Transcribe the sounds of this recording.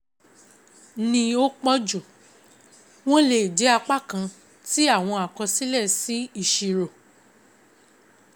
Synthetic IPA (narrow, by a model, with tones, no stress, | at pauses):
nĩ˧o˦k͡pɔ˦d͡ʒo˨ | w̃ɔ̃˦le˨d͡ʒɛ˨˦a˧k͡pa˦˨kã˧ | ti˦a˦˨w̃ɔ̃˧a˨kɔ̃˧si˦lɛ˦˨si˨˦i˦˨ʃi˧˨ɾo˨